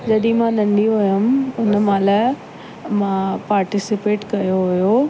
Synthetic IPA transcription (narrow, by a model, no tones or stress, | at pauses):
d͡ʑɐɗĩmãːnɐ̃nd̪iɦʊjʊmʊnəmãːlaː | mãːpaːɾʈɪsɪpeːʈkɐjoɦʊjo